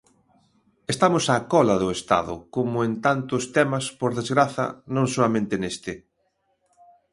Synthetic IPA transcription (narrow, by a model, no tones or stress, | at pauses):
est̪amʊsakɔlɐðʊest̪a̰ðʊ̰komʊent̪ant̪ʊst̪ɛmɐspoɾðezɣɾaθɐ̰nõŋsoɐmẽnt̪ɪnest̪ɪ